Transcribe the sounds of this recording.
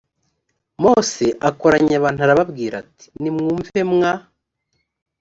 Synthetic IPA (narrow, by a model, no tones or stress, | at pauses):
mo̞se̞ʔako̞ɾaɲaβaːn̥tuhaɾaβabɡiːɾati̥nimŋuːɱve̞mŋa